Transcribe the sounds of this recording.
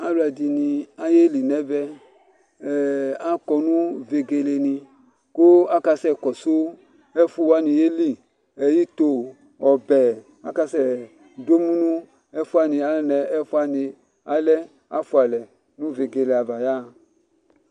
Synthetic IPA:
a˦la˨di˨nĩ˧a˦je˦li˨nɛ˦bɛ˧˨ | a˦kɔ˧nũ˦ve˧ɡe˧le˧nĩ˧ | ko˦a˦ka˧sɛ˦˨kɔ˨so˦ | ɛ˦fu˦wa˦nĩ˧je˦li˦ | ɛ˨ji˦to˧ | ɔ˨bɛ˨ | a˦ka˧sɛ˦˨ | do˦mũ˦nũ˦ | ɛ˦fu˦a˦nĩ˧a˨˦lɛ˦nɛ˨ɛ˦fu˦a˦nĩ˧ | a˦lɛ˦ | a̰˦fu˧˦a˨lɛ˨ | nũ˦ve˨ɡe˨le˨a˨va˨ja˦˨

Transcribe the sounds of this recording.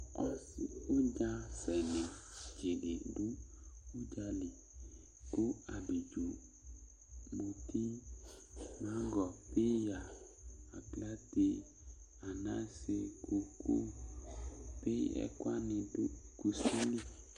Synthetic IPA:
ɔ˨si˨o˦d͡ʒã˦sɛ˨nẽ˨d͡ʒe˨ɖe˨ɖu˦u˦d͡ʒa˦li˨ | ko˦a˨bi˨d͡ʒu˨ | bu˨t̪ʰi˦ | mã˦ɡɔ˨pe˦ja˨ | a˨pla˦t̪e˦ | a˨nã˦se˦kʰo˨kʰo̰˦ | pe˦ɛ̰˨kwa˦nɪ̃˨du˦ku˨si˦li˦

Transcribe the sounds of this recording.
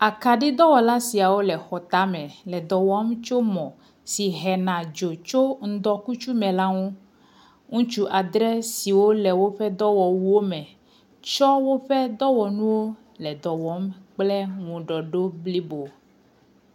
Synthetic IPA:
a˨ka˨ɖi˦d̪ɔ˦wɔ˨la˦si˨a˨wo˦lɛ˨xɔ˨t̪a˦mɛ̃˨lɛ˨d̪ɔ˨wɔ˦mt͡ʃo˦mɔ̃˨ | si˨ɦɛ˨nã˨d͡ʒo˨t͡ʃo˦ŋ̩˦d̪ɔ˦ku˦t͡ʃu˦mɛ̃˨la˦ŋũ˦ | ŋũ˦t͡ʃu˦ʔa˨d̪ɾɛ˦si˨wo˦lɛ˨wo˦ɸɛ˦d̪ɔ˦wɔ˨wu˦wo˦mɛ̃˨ | t͡ʃɔ˦wo˦ɸɛ˦d̪ɔ˦wɔ˨nũ˦wo˦ | lɛ˨d̪ɔ˨wɔ˨˦mk͡plɛ˦ŋũ˨ɖɔ˨ɖo˦bli˦bo˨

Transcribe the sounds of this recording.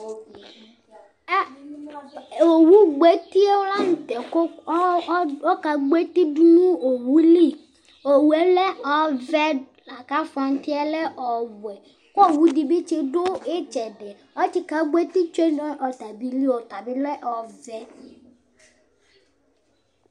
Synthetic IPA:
o˨wu˦ɡ͡be˨˦t̪i˦e˦wo˦la˦ŋũ˦t̪ɛ˨ko˦ | wɔ˦ka˨ɡ͡be˦t̪i˦du˦nũ˦o˨wu˦li˦ | o˨wu˨˦ɛ˦lɛ˦ɔ˨vɛ˦ | la˨ka˦fa˨ŋ˦t̪i˦ɛ˦le˦ʔɔ˨wu˨ɛ˨ | kɔ˦˨wu˦di˨bi˦t͡ʃe˦ɖo˦e˦t͡ʃɛ˨ɖɛ˨ | ɔ˦t͡ʃi˦ka˨ɡ͡be˦t̪i˦t͡ʃe˦nɔ˦ʔɔ˨t̪a˨bi˨li˦wo˨t̪a˨bi˦le˦ʔɔ˨vɛ˦

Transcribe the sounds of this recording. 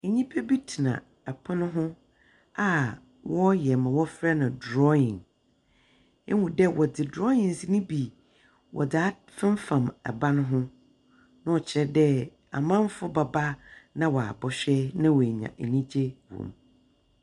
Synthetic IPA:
e˨ɲĩ˦pʰe˦bi˦tʰi˨nã̰˨ | ɛ˨pʰʊ̃˦nʊ̃˦ɦʊ̃˦ | a˨ | wɔ˦jɛ˨mã˨wɔ˦fɾa˦nã˨dɾɔ˦ɪ̃˨n | ɛ˦wũ˨dɛ˦wɔ˨dɪ˨dɾɔ˦ɪ̃˨n˨si˦nɪ̃˦bi˨ | wʔɔ̰˨da˨˦ | fɪ̃˦m˦fã˨mɛ̰˨ba˦nʊ̃˦ɦʊ̃˦ | nʊ̃˦ɔ˨t͡ɕʰɪ˨˦ɾɛ˦dɛ˦ | a̰˨mã˦m˦fʊ˦ba˨ba˦nã˦wɔ˨a̰˨bɔ˨ɕᶣɛ˦nã˦wɔ˨ɲã̰˨ʔe˨nĩ˦d͡ʑe˦wṵ̃˨m

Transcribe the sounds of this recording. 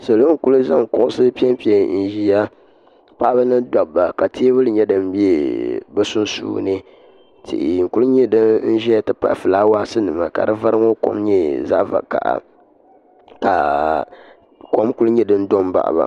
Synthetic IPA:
so˨lo˦ŋ˦ku˦lɨ˦za˦ŋ˨kʊ˨ʔʊ˦sɨ˦pi˦ɛ˦mpi˨˦ɛ˨n̩˨ʒi˨a˦ | pa˦ʔa˦ba˦nɨ˦dɔ˨bba˨ka˨tʰe˦bɨ˦lɨ˨ɲɛ˦dɨ˨m˦bi˦e˨bɛ˦sʊ˦n˦sṵː˦nɨ˦ | tʰḭ˨ʔɪ˨ŋ̩˨ku˦lɲɛ˦dɨ˦n̩˦ʒi˦a˦tɨ˦pa̰˦ʔfɨ˨laː˦waː˦sɨ˦nɨ˨ma˨ka̰˨dɨ˦va˦ɾɨ˦ŋo˦ko̰˦mɲɛ˦za̰˦ʔva̰˨ka̰˨ʔa̰˨ | ka˨ | ko˦mku˦lɲɛ˦dɨ˦n̩˦do˦m˦ba̰˨ʔba̰˨

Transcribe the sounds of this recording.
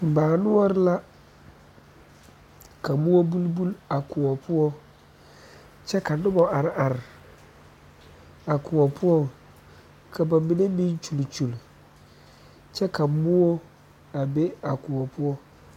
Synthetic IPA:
m̩˨baː˨nʊ̃˦ɔ˦ɾɪ˦la˦ | ka˨mʊ˦ɔ˦bu˦lbu˦la˨kʊ˨ɔ˨pʰʊ˦ɔ˦ | t͡ʃɛ˦kʰa˨nʊ˦bɔ˨a˨ɾa˨ɾɪ˨ | a˨kʰʊ˨ɔ˨pʰʊ˦ɔ˦ | kʰa˨bã˨˦bi˨ne˦bĩ˦n˦t͡ʃu˨lt͡ʃu˨l | t͡ʃɛ˦kʰa˨mʊ˦wɔ˦ | a˨be˦a˨kʊ˨ɔ˨pʰʊ˦ɔ˦

